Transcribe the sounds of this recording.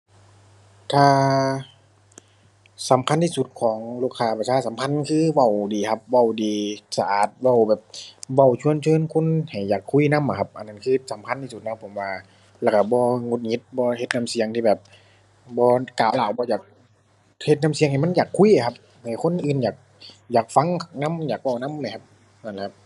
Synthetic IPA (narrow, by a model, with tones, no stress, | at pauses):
t̪ʰaː˧ | sa˨˦mkʰa˧˥˨nt̪ʰiː˧su˧˦t̪̚kʰɔː˨˦ŋluː˧˩˨kʰaː˧˩pʰa˧sʰaː˧˥˩sa˨˦mkʰa˧˥˨nkʰɯː˧˥ʋa˧˩wdiː˨˩kʰa˧˥p̚ʋa˧˩wdiː˨˧sa˧ʔaː˨˩t̪̚wa˧˩˨wbɛː˨˩p̚wa˧˩wt͡ɕʰu˧˨ənt͡ɕʰɤː˧˥˨nkʰo˧˥˨nha˨˩jːaː˨˩kʰːu˧˥˨na˧˥˨mːʔa˨˩kʰa˧p̚ʔa̰˧˨nːa˧˥nkʰɯː˧sa˨˦mkʰa˧˥˨nt̪ʰiː˧˩su˧˩t̪̚na˧˥˩pʰo˨˩˦mwaː˧ | lɛ˧˩kʰa˧˩bɔː˧ŋo˧t̪̚ŋi˧˦t̪̚bɔː˧he˧t̪̚na˧˥˨msi˨˦əŋt̪ʰiː˧bɛː˨˩p̚ | bɔː˧kaː˨˩˦wlaː˨˦wbɔː˧jaː˨˩k̚ | he˧t̪̚na˧˩msi˨˦ŋha˨˩ma˧˥˨njaː˨˩kʰːu˧˥˨jʔa˧˩kʰa˧p̚ | ha˨˩jkʰo˧˥˨nʔɯː˨njaː˨˩k̚ | jaː˨˩k̚fa˧˥ŋna˧˥˨mjaː˨˩k̚wa˧˩˨wna˧˥˨ma˧˩kʰa˧p̚ | na˧˩nla˧˦kʰa˧p̚